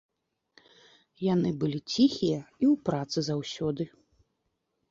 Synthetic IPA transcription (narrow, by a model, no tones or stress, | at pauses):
janɨbɨlʲit͡sʲixʲijɐiwpɾat̪sɨzawsʲɔd̪ɨ